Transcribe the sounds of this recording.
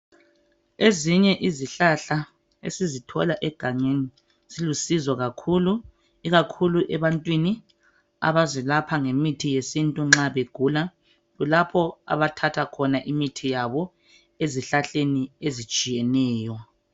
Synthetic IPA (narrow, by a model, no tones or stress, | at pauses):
eziɲɛʔiziɬaɬa | ḛsizitʰɔ̰laʔɛɡ̥ʱaɲeni | silusizɔɣakʰulu | iɣakʰuluʔɛβantʼwini | a̰βazwɛlapʰaŋemitʰijesintʼuŋ͡ǁaβeɡ̥ʱuːla | ɣulapʰɔa̰βatʰatʰakʰɔnaʔimitʰijaβɔ | eziɬaɬeniezit͡ʃʼijɛnɛːjɔ